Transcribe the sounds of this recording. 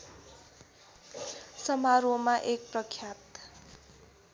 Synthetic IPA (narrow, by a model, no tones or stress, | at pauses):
sʌmaɾomaʔek̚prʌkʰjat̪